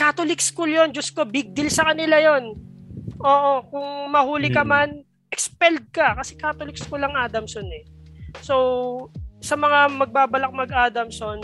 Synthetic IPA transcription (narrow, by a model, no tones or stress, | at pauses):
kaːt̪olɪkskuljo̞nd͡ʒʊsko̞bɪk̚d̪ɪlsɐkɐnɪlajo̞nʔoːʔo̞kʊŋmɐhuːlɪkɐman | ʔɛkspɛld̪̚kɐkɐsɛkaːt̪olɪk̚skulɐŋʔaːd̪ɐmsonɛsow | sɐmɐŋamɐɡ̚baːbɐlak̚mɐɡaːd̪ɐmso̞n